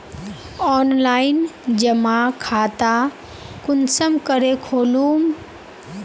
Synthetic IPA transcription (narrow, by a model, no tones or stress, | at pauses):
ɔnlaind͡ʒəmakʰat̪a | kunsəmkəɾekʰolum